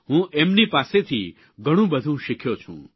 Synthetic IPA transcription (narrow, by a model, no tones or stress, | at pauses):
ɦũʔemnipaset̪ʰi | ɡʱəɽ̃ũbəd̪ʱũʃikʰjot͡ʃʰṵ̃